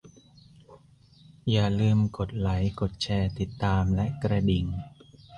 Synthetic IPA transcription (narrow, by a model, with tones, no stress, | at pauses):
jaː˨˩lɯː˧mko˨˩t̪̚la˩˦jko˨˩t̪̚t͡ɕʰɛː˧˩t̪i˨˩t̪ːaː˧mlɛ˦˥ʔkɾa˧di˨˩ŋ